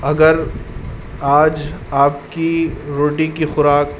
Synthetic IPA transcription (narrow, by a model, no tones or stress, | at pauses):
ɐɡəɾ | aːd͡ʒaːp̚kiɾoːʈikixʊɾaːk̚